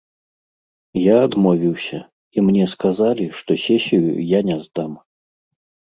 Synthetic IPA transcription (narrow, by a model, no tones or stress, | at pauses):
jaːd̪mɔvʲiwsʲɐ | imnʲɛskazalʲiʂt̪ɔsʲɛsʲijṵjanʲɛzd̪am